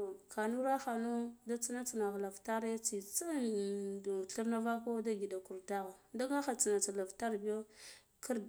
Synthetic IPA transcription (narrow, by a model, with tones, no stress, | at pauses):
o˨ka˨nu˦ɾa˦xa˨no˦da˦t͡si˦na˦t͡si˨na˨ɣla˨vta˦ɾe˦t͡si˨t͡sa˦˨ | ɬu˦ɾna˦va˦ko˦da˦ɡi˨da˨ku˨ɾda˦ɣa˨da˦ŋa˦xa˨t͡si˨na˨t͡sa˨la˨vta˦ɾbi˦jo˦ | ki˦ɾ